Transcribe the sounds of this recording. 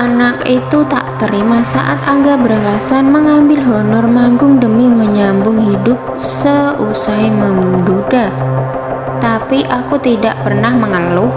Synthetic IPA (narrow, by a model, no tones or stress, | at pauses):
ʔanakit̪ut̪a̰ʔt̪əɾimasa̰ʔat̪aŋɡabəɾalasanməŋambɪlɦɔnɔrmaŋɡʊŋdəmiməɲambʊŋhidʊp̚səusaiməmduda | t̪apiʔakut̪idaʔpərnahməŋəlʊ